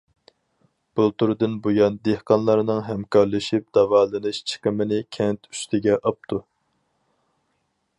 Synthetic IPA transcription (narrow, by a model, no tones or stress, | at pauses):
b̥ulˠt̪uɾɨd̪ɨnbojɑnd̪ehqɑnlˠɑɾnɨŋɦɛmkʰɑɾlˠɨʃip̚d̪̥ɑvɑːlˠɨnɨʃt͡ʃʰə̥qəmɨnɪkʲʰɛnt̪ʰy̥st̪ʰɪɡʲɛʔɑp̚t̪ʰu